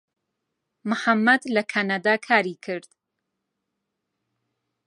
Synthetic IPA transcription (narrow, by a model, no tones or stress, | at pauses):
mʊħamːɐd̪lɐkʰanad̪aːkʰaːɾikʰɨɾd̪̥